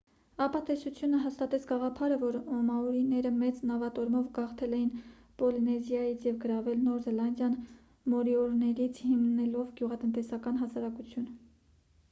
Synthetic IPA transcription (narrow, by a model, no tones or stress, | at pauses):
ɑpɑt̪ɛsut͡sʰjunəɦɑst̪ɑt̪ɛt͡sʰɡɑʁɑpʰɑɾəvɔɾɔmɑɔɾinɛɾəmɛt͡snɑvɑt̪ɔɾmɔvɡɑχt̪ʰɛlɛjin | pɔlinɛzjɑjit͡sʰjɛvɡəɾɑvɛlnɔɾzɛlɑnd̪jɑn | mɔɾiɔɾnɛɾit͡sʰhimnɛlɔvɡjuʁɑt̪ənt̪ɛsɑkɑn̪ɦɑsɑɾɑkut͡sʰjun